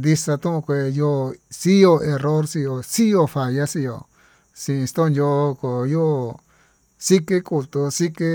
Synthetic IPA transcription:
nd̪i˧sa˧t̪ũ˦ʔũ˧kʷe˧˨jo˧˨si˦jo˧e˧ro˦ɾsi˧jo˧si˦jo˧fa˨ja˦si˧jo̰˧ | sĩ˧ĩ˧st̪o˦˧njo˧ko˨jo˦˧˨ | si˦ke˦ku˧lt̪u˧si˦ke˦

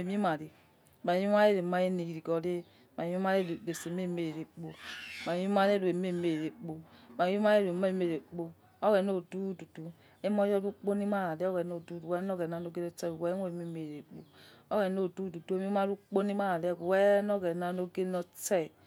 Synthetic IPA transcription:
e˨mi˦ma˨ɾe˨ | ma˨˦i˦ma˦e˦ɾe˨ma˦e˦ne˨ji˨ɾi˨ɡɔ˨ɾe˦ | ma˨˦i˦a˦ɾe˦˨ɡe˨se˨me˦˨me˨ɾe˨k͡po˨ma˨˦i˦ma˦ɾe˦ɾu˨e˨me˦˨me˨ɾe˨k͡po˨ma˨˦i˦ma˦e˦ɾe˨me˦˨me˨ɾe˨k͡po˨ | o˦ɡɛ˨no˦˨du˦du˨du˨ | e˦mɔ˦jɔ˦ɾu˦k͡po˦ni˦ma˦ɾa˨le˦o˦ɡɛ˨no˦˨du˦du˨wɛ˦n˦ɔ˦ɡɛ˨na˨no˦ɡe˦nɔ˦t͡ʃɛ˦˨wɛ˦n˦e˨me˦˨me˨ɾe˨k͡po˨o˦ɡɛ˨no˦˨du˦du˨du˦e˦˨mi˦ma˦ɾu˦k͡po˦ni˦ma˦ɾa˨le˦˨ɡu˨wɛ˦nɔ˦ɡɛ˨na˨no˦ɡe˦nɔ˦t͡ʃɛ˦˨

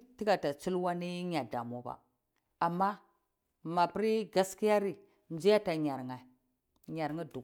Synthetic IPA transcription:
ti˦ɡa˨ta˨t͡ʃi˦lwa˦ni˦ɲa˨da̰˨m˨o˦ba̰˨ | a˨mːa˦ | ma˨pi˦ɾi˦ɡa˦ski˦ja˦ɾi˨ | nd͡ʒi˦ja˦ta˨ɲa˨ɾŋa˨ | ɲa˨ɾŋi˦du˨

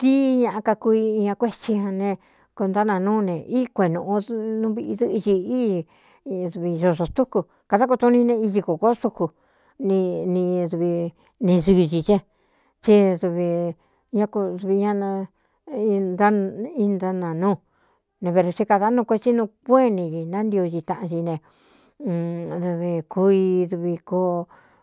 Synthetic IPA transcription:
t̪i˦ɲã˧ʔa˧ka˧ku˧i˧ɲã˧kʷe˦t͡ʃi˧hã˧nẽ˧ | ko˧nd̪a˦nã˧nũː˦˧nẽ˨ʔi˦kʷe˨nũ˧ʔnũ˧˦βi˧ʔi˧ðɨ˦ʔi˧t͡ʃi˧i˦˧ | ðu˧βi˧ʒo˧˨ʐo˧st̪u˦ku˧ | ka˧ða˦k̬u˧t̪u˧nĩ˧nẽ˧i˧ʒi˧ko˨ko˦su˧ku˧ | nĩ˧nĩ˧ðu˧βi˧ | nẽ˧ʐɨ˧ʒi˧t͡ʃẽ˦ | t͡ʃi˦ðu˧βi˧ | ɲã˦ku˧ðu˧βi˧ɲã˦nã˧ | d̪a˦˧i˦nd̪a˧nã˨nũː˦˨ | nẽ˧βe˧ɾo˧t͡ʃi˧ka˧ða˧˦nũ˧kʷe˧t͡ʃi˦nũ˧kʷe˦nĩ˧ʒi˧nã˦nd̪i˧o˧t͡ʃi˧t̪ã˧˨ʔã˧ʒi˧nẽ˧ | ðu˧βi˧ku˧˦i˧ðu˧βi˧ko˧˦

